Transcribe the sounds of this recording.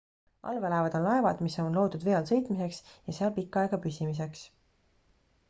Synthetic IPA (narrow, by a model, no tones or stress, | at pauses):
ʔɑ̰lvelɑevɑd̪o̞nlɑe̞vɑd̪miso̞nlo̞ːd̪ud̪ve̞ɑlsɤ̞jt̪ˑmise̞ksjɑseɑlpikːˑɑeɡ̥ɑpysimis̬e̞ks